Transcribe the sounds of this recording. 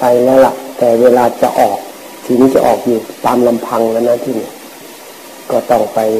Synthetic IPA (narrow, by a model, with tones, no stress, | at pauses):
pa˧jlɛː˦˧˩la̰˧˩ʔt̪ɛː˨˩weː˧laː˧t͡ɕa̰˧ʔɔː˨˩k̚ | sʰi˧˨˦n˨˧t͡ɕa̰˧ʔɔː˨˩k̚juː˨˩t̪aː˧mla˧mpʰa˧ŋla˧˩˨na˧˨t̪ʰiː˧˩ni˧˨ | kɔː˧˩t̪ɔ˧˩ŋpa˨j